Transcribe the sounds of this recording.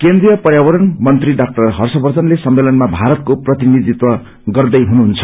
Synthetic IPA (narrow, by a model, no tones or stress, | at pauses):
kend̪rijʌpʌrjabʌɾʌnmʌnt̪riɖak̚ʈʌrɦʌrsʌbʌrt͡sʌnlesʌmːelʌnmabʱaɾʌt̪̚koprʌt̪inid̪it̪wʌ | ɡʌrd̪ʌjɦunuɦunt͡sʰʌ̥